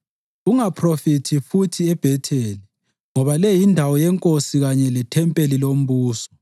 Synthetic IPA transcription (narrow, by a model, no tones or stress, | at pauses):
uŋapʰrofitʰifutʰiɛb̥ʱɛtʰeːli | ŋɔβalɛjindʱawɔjɛŋkʼosiɣaɲɛlɛtʰɛmpʼelilom̩βuːsɔ̥